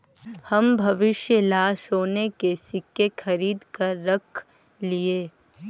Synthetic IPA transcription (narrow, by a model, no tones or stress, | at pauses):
hɐmbʱɐʋɪʃjəlaːʃɦoːnekesɪkːexʰɐɾiːd̪kɐɾːɐkʰ | lieː